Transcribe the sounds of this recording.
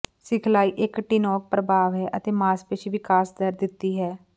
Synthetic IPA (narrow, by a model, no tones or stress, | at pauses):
sɪkʰlaːiːʔɪkʈinɔːk̚pɾəbaːʋɦɛːʔət̪eːmaːspet͡ʃʰːʋɪkaːsd̪əɾd̪ɪt̪ːiːɦɛː